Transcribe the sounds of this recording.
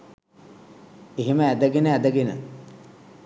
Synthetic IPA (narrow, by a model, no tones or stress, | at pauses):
iɦiməæd̪əɡenəæd̪əɡenə̰